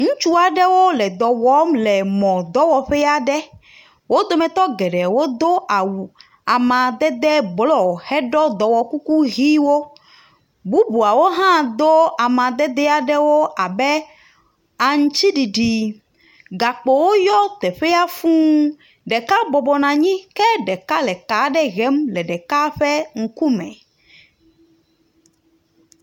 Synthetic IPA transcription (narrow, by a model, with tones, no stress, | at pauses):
ŋũ˦t͡ʃu˦a˨ɖɛ˦wo˦lɛ˨d̪ɔ˨wɔ˦mlɛ˨mɔ̃˨d̪ɔ˦wɔ˨ɸɛ˦ja˦ɖɛ˦ | wo˦d̪o˦mɛ̃˨t̪ɔ˦ɡɛ˨ɖɛ˨wo˦d̪o˦ʔa˨wu˨ | a˨mã˨d̪ɛ˦d̪ɛ˦blɔ˨hɛ˦ɖɔ˦d̪ɔ˨wɔ˨ku˦ku˦ɦi˦wo˦ | bu˦bu˨a˨wo˦ɦã˦d̪o˦a˨mã˨d̪ɛ˦d̪ɛ˦a˨ɖɛ˦wo˦ʔa˨bɛ˦ | a˨ŋũ˦t͡ʃi˦ɖi˨ɖi˨ | ɡa˨k͡po˨wo˦jɔ˦t̪ɛ˨ɸɛ˦a˦fũ˦ | ɖɛ˨ka˦bɔ˨bɔ˨nã˨ɲĩ˦kɛ˦ɖɛ˨ka˦lɛ˨ka˨˦ɖɛ˦ɣɛ˦mlɛ˨ɖɛ˨ka˦ɸɛ˦ŋ̩˨ku˦mɛ̰̃˨